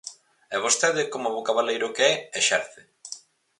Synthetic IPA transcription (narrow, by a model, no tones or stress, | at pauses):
ɛβ̞ost̪eðɪkomoβokaβalejɾʊkeɛeʃɛɾθe